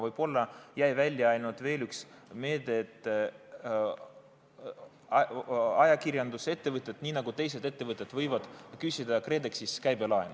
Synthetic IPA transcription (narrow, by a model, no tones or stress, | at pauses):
vɤjb̥o̞lːɑjæjvælʲjɑɑjlnud̪̥ve̞ːlyksme̞ːd̪et̪ː | ɑjɑkirʲjɑnd̪̥use̞t̪ːe̞vɤt̪ːˑe̞t̪niːnɑɡ̥ut̪e̞js̬e̞d̪e̞t̪ːevɤt̪ːˑe̞d̪̥vɤjvɑd̪̥kysʲid̪ɑkre̞d̪eksiskæjbe̞lɑen